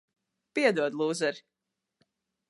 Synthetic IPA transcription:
piɛd̪uɔd̪lˠuːzɛɾ

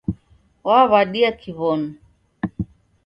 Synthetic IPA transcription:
waβaɗiakʰiβɔnu

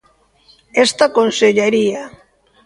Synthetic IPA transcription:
est̪akonseʎeɾia

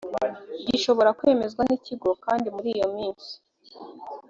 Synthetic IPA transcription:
ɟiʃo̞βo̞ɾakwe̞me̞zɡwaniciɡo̞kaːndimuɾijo̞miːnsi̥

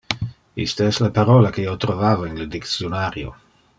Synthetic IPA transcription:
ist̪aɛslapaɾolakeiːot̪ɾovaːvoinled̪iksjonaːɾjo̰

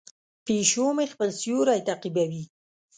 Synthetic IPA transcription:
peʃomexpəlsjuɾajt̪aqibawi

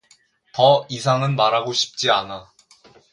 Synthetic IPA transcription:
tʌisʰaŋɯnmaɾɦaɡoɕʰi̥p̚t͡ɕ͈iana

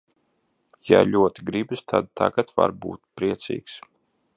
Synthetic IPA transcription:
jalʲuɔt̪iɡɾibɨst̪ʰad̪̚t̪ʰaɡat̪va̰ɾbṵːt̪pɾiɛt̪sʲḭːks

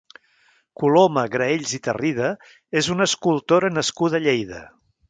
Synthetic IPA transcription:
kuloməɣɾəeʎzit̪ə̰rʔið̞ə | ezunəskulˠt̪oɾənəskuðəʎejðə̰

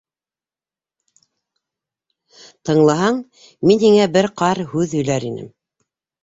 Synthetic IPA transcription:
t̪ɤ̆ɴlˠɑɦɑɴ | minhiŋæbɘɾqɑɾhʉðɵ̆jlæɾinɘ̰m

